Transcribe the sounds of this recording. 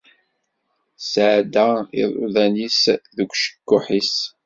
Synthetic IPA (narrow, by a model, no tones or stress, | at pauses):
sʕd̪aḭðˤʊ̰ðænisðəkʷʃə̥kːʊħis